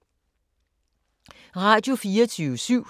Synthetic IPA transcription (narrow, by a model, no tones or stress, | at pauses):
ʁɑ̈d̥jo̝fiːɐt͡sʰyːʊsyʊ̰